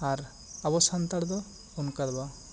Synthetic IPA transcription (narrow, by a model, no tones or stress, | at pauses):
aɾ | abɔsant̪aɽd̪ɔ | unkad̪ba